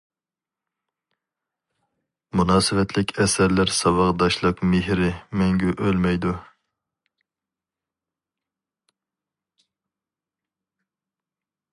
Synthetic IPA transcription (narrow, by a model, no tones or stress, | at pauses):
munɑːsɨvɛt̪ʰlɪkʲʰɛsɛɾlɪɾsɑbɑʁd̪ɑʃlˠəqmeɦɾɪmɛŋɡʲyʔølmɛjd̪u